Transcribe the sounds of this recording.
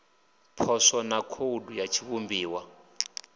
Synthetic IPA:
pʰɔswɔnakʰodujat͡ʃʰiβumbiːwa

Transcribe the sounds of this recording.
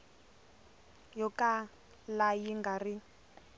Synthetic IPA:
jɔkʼa | lajiŋɡari

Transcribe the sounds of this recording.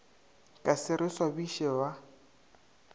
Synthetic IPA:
kʼasɪɾɪswabiʃɛba

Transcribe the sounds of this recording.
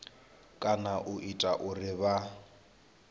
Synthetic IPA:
kʼanaʔʊʔitʼaʔʊrɪβa

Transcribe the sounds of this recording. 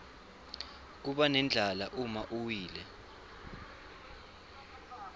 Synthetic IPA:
k̬uɓanɛnd͡ɮʱalaʔumaʔuwiːlɛ

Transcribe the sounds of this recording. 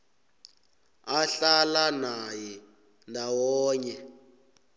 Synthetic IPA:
aɬalanajɛ | ndʱawɔːɲɛ

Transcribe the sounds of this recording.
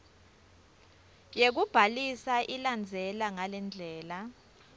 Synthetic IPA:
jek̬ub̥ʱalisaʔiland͡zʱɛlaŋalɛnd͡ɮʱɛːla

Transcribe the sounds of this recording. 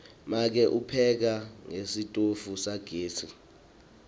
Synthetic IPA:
mak̬ɛʔupʰɛk̬aŋesitʼofusaɡ̥ʱeːtʰi

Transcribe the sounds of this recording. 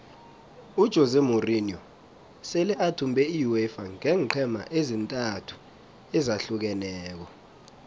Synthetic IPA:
ud̥ʒ̥ʱɔzɛmuriniɔ | sɛlɛʔatʰumbʱɛijuɛfaŋɛːǃʰɛma̰ʔezintʼatʰu̥ | ɛzaɬuk̬ɛnɛːk̬ɔ

